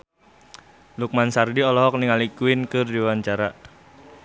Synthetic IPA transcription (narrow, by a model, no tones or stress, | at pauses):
luk̚mansardiɔlɔɦɔk̚niŋalikuinkɨrdiwaɲt͡ʃaɾa